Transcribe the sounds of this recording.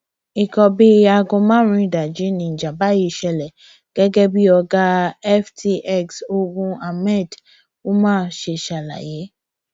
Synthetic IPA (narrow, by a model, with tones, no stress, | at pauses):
i˨kɔ˧bi˦a˧ɡɔ̃˧mãː˦ɾ̃ĩ˧˨da˨d͡ʒi˨˦nĩ˨˦˨d͡ʒa˨ba˦ji˧˨ʃɛ˧lɛ˨ | ɡ̥ɛ˦ɡɛ˦bi˦ɔ˧ɡa˦ɛ˦ftʰi˧ʔɛ˦˨kso˧ɡũ˦a˧mɛ˦˨d | o˦mãː˦˨˦ʃe˧˨ʃa˨la̰˨je˨˦